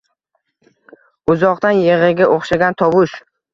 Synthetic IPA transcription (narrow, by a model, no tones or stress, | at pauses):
ʊzɒqt̪anjeʁɨɡʲaʔoχʃaɡʲant̪ʰɒwʊʃ